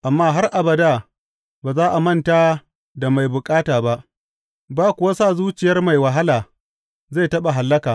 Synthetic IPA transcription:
ʔa˨mːaː˦ɦa˦rʔa˨bɐ˨da˦˨ | baː˨zaː˦ʔa˨mɐ˦˨nta˦ | da˨ma˨jbʊ˨kʼaː˦taː˨ba˦ʔ | baː˦kʷʊ˨wa˦saː˦˨zuː˦t͡ʃɪ˨jɐ˦rma˨jwɐ˨ɦa˦laː˨ | za˦˨jtɐ˦ɓa˨ɦa˨lːɐ˦kaː˨

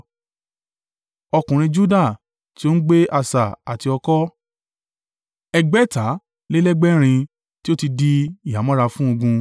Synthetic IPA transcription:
ɔ˧kũ˨ɾ̃ĩ˧d͡ʒu˦da˦˨ | ti˦o˦n̩˦ɡ͡be˦ʔa˧sa˨a˨ti˧ɔ˧kɔ˦ | ɛ˧ɡ͡bɛ˦ta˨˦ | le˦lɛ˦ɡ͡bɛ˦ɾ̃ĩ˧ | ti˦o˦ti˧di˦i˨a˨˦mɔ̃˦ɾa˧fũ˦o˧ɡũ˧

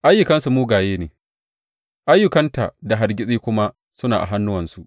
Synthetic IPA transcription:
ʔa˦jːʊ˨kɐ˦nsu˨muː˦ɡaː˨jeː˦neː˨ | ʔa˦jːʊ˨kɐ˦nta̰˨da˨ɦa˨ɾɡʲɪ˦sʼiː˦kʷʊ˦ma˦ | sʊ˦naː˨ʔa̰˨ɦa˦nːʊ˦wɐ˨nsu˦˨ʔ

